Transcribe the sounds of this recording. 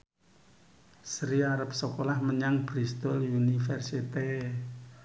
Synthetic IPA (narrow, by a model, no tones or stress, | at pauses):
sɾiaɾəp̚sokolahməɲaŋb̥ɾist̪ɔljunifɛrsit̪e